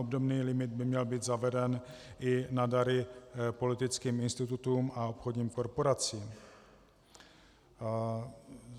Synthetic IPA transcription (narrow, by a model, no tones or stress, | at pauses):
obdo̞bniːlɪmɪd̪̚bɪmɲɛlbiːd̪zavɛdɛnʔɪnadaɾɪpo̞lɪt̪ɪt͡skiːmɪnst̪ɪt̪ut̪uːmao̞pxo̞dɲiːmko̞ɾpo̞ɾat͡siːm